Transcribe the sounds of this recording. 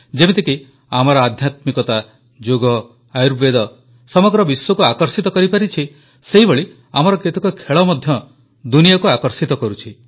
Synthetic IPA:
d͡ʒemet̪eki | amɔɾɔad̪ʱjat̪mikɔt̪a | d͡ʒoɡɔ | ajɾbed̪ɔ | sɔmɔɡɾɔbiswɔkuakɔɾsit̪ɔkɔɾipaɾit͡ʃʰi | seɦiboɭi | am̤ɔɾɔket̪ɔkɔkʰeɭɔmɔd̪ʱjɔ | d̪unijakuakɔɾsit̪ɔkɔɾut͡ʃʰi

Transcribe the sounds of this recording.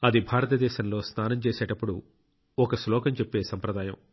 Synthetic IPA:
ɐd̪ibʱaːɾɐt̪ɐd̪ɛːʃɐmlo̞ːsnaːnɐmt͡ʃeːseːʈɐpːuɽu | ɔkɐslɔːkɐmt͡ʃepːe̞ːsɐmpɾɐd̪aːjɐ̰m

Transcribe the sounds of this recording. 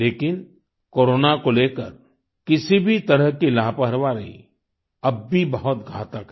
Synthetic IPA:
leːkɪn | koːɾoːnakoleːkəɾ | kɪsibʱit̪ɐɾəɦkilaːpəɦəɾʋaɾɐɦḭ | ɐbːʱibɐɦʊt̪ɡʱa̰ːt̪əkɦɛ

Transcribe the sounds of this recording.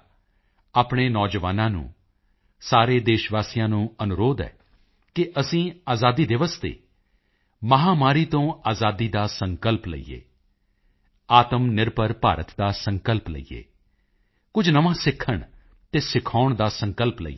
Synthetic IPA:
aːpɳ̃eːnɔːd͡ʒəʋaːnãːnṵ̃ː | saːɾeːd̪eːʃʋaːsijãːnũːənʊɾoːd̪ɛ̰ː | kɪʔəsĩːaːzaːd̪iːd̪ɪʋəst̪ḛː | məɦaːmaːɾiːt̪õːaːzaːd̪iːd̪aːsəŋkəlplə̰ḭːḛː | aːt̪əmnɪɾpəɾpaːɾət̪d̪aːsəŋkəlplə̰ḭːḛː | kʊd͡ʒʱnəʋãːsɪkʰːəɳ | t̪eːsɪkʰaːʊɳd̪aːsəŋkəlplə̰ḭː

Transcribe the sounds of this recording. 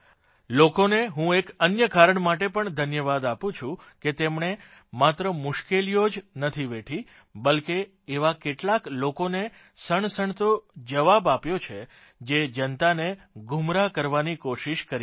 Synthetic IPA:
lokoneɦũekənjəkaɾəɳmaʈepəɳd̪ʱənjəʋad̪apũt͡ʃʰũ | ket̪emɳe | mat̪ɾəmʊʃkelijod͡ʒnət̪ʰiʋeʈʰi | bəlkeː | ʋakeʈlaklokone | səɳsəɳt̪od͡ʒəʋabapjot͡ʃʰe | d͡ʒed͡ʒənt̪ane | ɡʱumɾakəɾʋanikoʃiʃkəɾi

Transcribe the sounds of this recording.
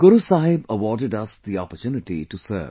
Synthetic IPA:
ɡ̥ʊɾusaːɦɪbəʋɔːɖɪɖɐsd̪iɔ̰pəɾt͡ʃuːnɪʈḭʈusə̰ːʋ

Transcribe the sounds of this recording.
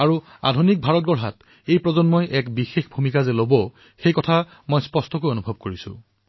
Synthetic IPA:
aɹua̰dʱunik̚bʱaɹɔtɡɔɹɦat | ejpɹɔzɔnmɔjʔɛkbixexbʱumikazɛlobɔ | xejkɔtʰa | mɔjspɔstɔkojonubʱɔb̚koɹisʊ̰̃

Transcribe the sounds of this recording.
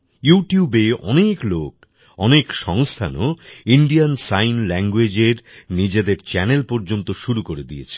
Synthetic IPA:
juʈjubeɔ̰neklok | ɔnekʃɔŋst̪ʰanoiɳɖiansajnlɛŋɡwed͡ʑeɾnid͡ʑed̪eɾt͡ɕɛnelpɔɾd͡ʑont̪oʃuɾukoɾed̪iet͡ɕʰe̥

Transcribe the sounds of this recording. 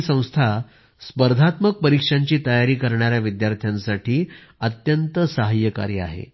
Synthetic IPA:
sə̃w̃st̪ʰa | spəɾd̪ʱat̪mək̚pəɾikʂaɲt͡ɕiːt̪əjaɾiːkəɾɳaɾjaʋid̪jaɾt̪ʰjansaʈiː | ət̪jənt̪əsəɦəjːəka̰ɾjəa̰ɦḛ

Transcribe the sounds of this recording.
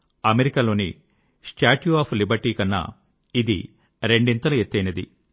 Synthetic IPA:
ɐmeɾikalo̞ːni | sʈaːʈjuaːpʰlibɐɾʈiːkɐnːɐ̰ | id̪ḭ | ɾe̞ɳɖint̪ɐlɐet̪ːɐjnɐd̪ḭ

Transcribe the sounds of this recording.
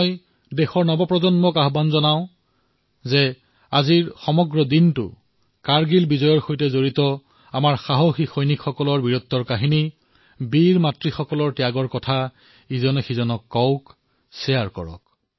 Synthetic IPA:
j | dɛxɔɹnɔbɔpɹɔzɔnmɔkaɦbanzɔnaʊ̃ | zɛ | aziɹxɔmɔɡɹɔdintʊ̰ | kaɹɡilbizɔjɔɹxojtɛzoɹitɔ | amaɹxaɦoxixojnikxɔkɔlɔɹbiɹɔt̪ːɔɹkaɦini | biɹmatɹixɔkɔlɔɹtijaɡɔɹkɔtʰa | izɔnɔxizɔnɔkːɔwk | sɛjaɹkɔ̰ɹɔ̰k̚

